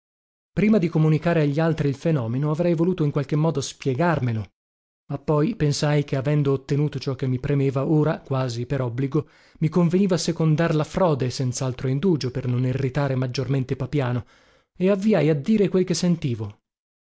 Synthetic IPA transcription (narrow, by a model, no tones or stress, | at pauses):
pɾiːmad̪ikomunikaːɾeaʎːialt̪ɾiːlfenɔːmenoavɾɛjvoluːt̪oiŋkwalk̟emːɔːd̪ospjeɡarmelo | mapːɔjpensajk̟eavɛnd̪oːt̪ːenuːt̪ot͡ʃɔk̟ːemːipɾemeːvaoːɾakwaːzipeɾɔbːliɡo | mikoɱveniːvasekond̪arlafɾɔːd̪esɛnt̪saalt̪ɾoind̪uːd͡ʒopernonirːit̪aːɾemad͡ʒːorment̪epapjaːno | eavːiajad̪ːiːɾekwelkesːent̪iːvo